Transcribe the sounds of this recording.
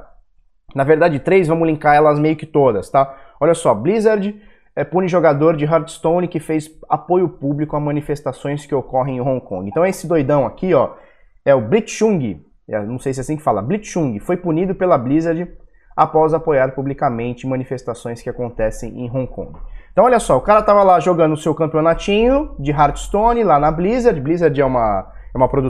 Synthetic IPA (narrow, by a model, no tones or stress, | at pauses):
nɐveɾd̪ad͡ʒɪt̪ɾejzvɐ̃mʊlĩkaɾɛlɐzmejʊkɪ̥t̪od̪ɐst̪aɔʎɐsɔblizeɾd͡ʒɪ | ɛpũnɪʒoɡad̪oɾd͡ʒɪɦaɾd͡ʒ̪ɪst̪õw̃nɪkɪfejsapojʊpublikʊamɐ̃nifest̪asõj̃skɪokɔɦẽj̃ẽɦõŋkõ̰ŋɡɪ̃t̪ɐ̃ɛesɪd̪ojd̪ɐ̃w̃akiɔ | ɛʊblit͡ʃʃũŋɡɪ | ɛ̰nɐ̃sejs̬ɪasĩkɪ̥falɐ̰blit͡ʃʃũɡɪfojpunid̪ʊpelɐblizeɾd͡ʒɪ | apɔzapojaɾpublikamẽnt͡ʃɪmɐ̃nifest̪asõj̃skɪakõnt̪ɛsẽj̃ḛ̃j̃ɦõkõ̰ɡɪ̃t̪ɐ̃w̃ɔʎjɐsɔʊkaɾɐt̪avɐlaʒoɡɐ̃d̪ʊʊsewkɐ̃mpionat͡ʃĩɲʊd͡ʒɪɦaɾd͡ʒɪst̪õnɪlanɐblizeɾd͡ʒɪblizeɾd͡ʒɛũmɐ | ɛumɐpɾod̪u